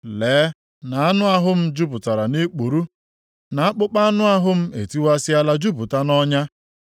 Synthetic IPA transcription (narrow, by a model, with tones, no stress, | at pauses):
leː˨˦ | na˨a˦nʊ˦a˦ɦʊ˦m̩˦d͡ʒu˦pʊ˨ta˨ɾa˨ni˦k͡pu˨ɾu˦ | na˨a˦k͡pʊ˦k͡pa˦nʊ˦a˦ɦʊ˦m̩˦e˨ti˦wa˦sɪ˦a˦la˦d͡ʒu˦pu˨ta˦nɔ˦ɲa˦